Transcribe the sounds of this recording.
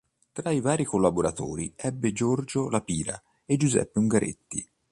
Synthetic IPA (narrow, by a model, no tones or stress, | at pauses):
t̪ɾaivaːɾikolːaboɾat̪o̰ːɾḭɛbːed͡ʒord͡ʒolapiːɾa̰ | ed͡ʒuzɛ̰pːeuŋɡaɾʔḛt̪ːḭ